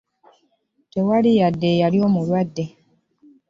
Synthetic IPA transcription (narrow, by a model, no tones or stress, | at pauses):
tewalijadːejalio̞ːmulwadːe